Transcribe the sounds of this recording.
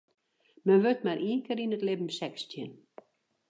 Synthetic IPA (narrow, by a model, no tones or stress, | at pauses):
mənʋøtmaɾiːkəɾinətlɪbm̩sɛkstjən